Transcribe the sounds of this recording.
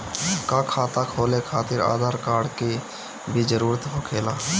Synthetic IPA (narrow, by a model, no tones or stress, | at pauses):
kakʰaːt̪akʰoːlekʰaːt̪ɪɾa̰ːd̪ʱaːɾkaːɾɽke | bʱid͡ʒəɾuːɾət̪ɦoːkʰeːlaː